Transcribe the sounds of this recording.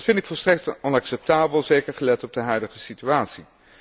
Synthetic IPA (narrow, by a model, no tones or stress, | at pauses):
tfɪntɪkfɔlˠstrɛk̚tɔnɑksɛp̚taːbəlˠzejkəɹχəlɛtɔb̚dəɦœɥdəχəsityaːtsi